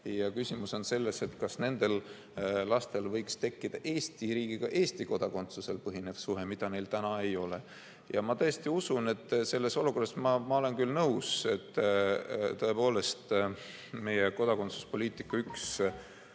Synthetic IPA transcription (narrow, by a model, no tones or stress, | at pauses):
jɑkysʲimuso̞nse̞lːe̞se̞t̪kɑsne̞nd̪̥e̞l | lɑst̪e̞lvɤjkst̪e̞kːid̪̥ɑʔe̞ːst̪iɾiːɡ̥iɡ̥ɑʔe̞ːsʲt̪iko̞d̪̥ɑko̞nt̪suse̞lpɤɦine̞v̥suɦemid̪̥ɑne̞jlt̪ænɑe̞jo̞le̞ | jɑmɑt̪ɤjest̪iusune̞t̪ːˑse̞lːe̞so̞luko̞rːɑsmɑmɑo̞le̞nkylnɤuwse̞t̪ː | t̪ɤe̞po̞ːle̞st̪ | me̞jeko̞d̪̥ɑko̞nt̪su̥spo̞lʲiːt̪ikːɑyks